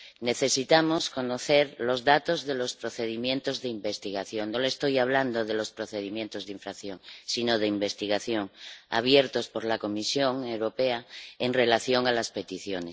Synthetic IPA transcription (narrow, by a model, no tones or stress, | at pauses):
neθe̞sit̪amosko̞noθeɾlo̞zðat̪ozðelo̞spɾoθeðimjẽ̞nt̪ozðeimbe̞st̪iɣ̞aθjoŋnolest̪ojaβ̞land̪oðelo̞spɾoθeð̞imjent̪ozðiɱfɾakθjoŋsinoð̞eimbe̞st̪iɣ̞aθjoŋa̰β̞jeɾt̪o̞spoɾlakomisjoŋewɾopeaeŋre̞laθjo̞ŋalaspe̞t̪iθjone